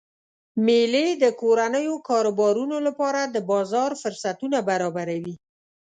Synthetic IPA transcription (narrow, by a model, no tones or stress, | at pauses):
meled̪əkoɾanəjokɑɾobɑɾunolapɑɾad̪əbɑzɑɾfʊɾsat̪unabaɾɑbaɾawi